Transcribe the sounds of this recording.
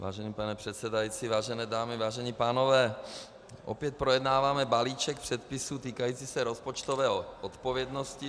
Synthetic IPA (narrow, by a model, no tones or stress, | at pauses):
va̰ːʒɛnipanɛpr̥ɛt̪sɛdajit͡sivaːʒɛnɛːdaːmɪvaːʒɛɲipaːnovɛː | ʔo̰pjɛt̪̚pɾojɛdnaːvaːmɛbaliːt͡ʃɛkpr̥ɛt̪pɪsut̪iːkajiːt͡siːsɛɾospot͡ʃt̪ovɛːɦoʔot̪povjɛdnoscɪ